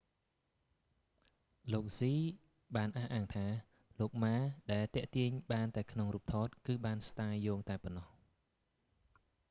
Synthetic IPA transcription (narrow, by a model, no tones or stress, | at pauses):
loːk̚siː | ɓaːnʔahʔaːŋt̪ʰaː | loːk̚maːɗaɛlt̪ɛ̆əʔt̪iəɲɓaːnt̪aɛkʰnoŋruːp̚t̪ʰɑːt̪̚kɨːɓaːnst̪aːjːɔːŋt̪aɛpɑnːɑh